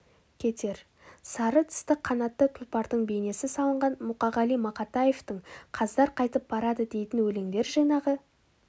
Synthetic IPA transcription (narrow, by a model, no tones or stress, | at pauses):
kʲʰe̞t̪ʰe̞ɾ | sɑɾət̪ʰɪ̥st̪ɪqʰːɑnɑt̪ːət̪ʰʊlˠpɑɾd̪əɴbe̞jne̞sɪsɑlˠəɴʁɑnmuqɑʁɑlˠijmɑqɑt̪ɑje̞ft̪əɴqʰɑzd̪ɑɾqʰɑjt̪əp̚bɑɾɑd̪əd̪e̞jt̪ɪnwɵleŋd̪e̞ɾʒɑjnɑʁə